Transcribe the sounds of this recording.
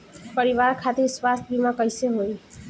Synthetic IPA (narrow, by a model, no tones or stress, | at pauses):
pəɾiʋaɾkʰat̪iɾswast̪ʰbimakʌjseɦoj